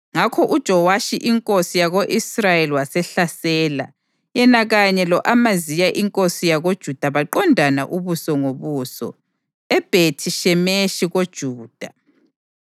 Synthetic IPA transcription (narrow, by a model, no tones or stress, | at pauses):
ŋakʰɔʔud̥ʒ̥ʱɔwaʃiʔiŋkʼosijaɣoʔisrajeliwasɛɬasɛːla̰ | jɛnaɣaɲɛlɔʔamazijaʔiŋkʼosijaɣod̥ʒ̥ʱud̥ʱaβaǃɔndʱanaʔuβusɔŋoβuːsɔ̰ | ɛb̥ʱetʰiʃɛmeʃiɣod̥ʒ̥ʱuːd̥ʱa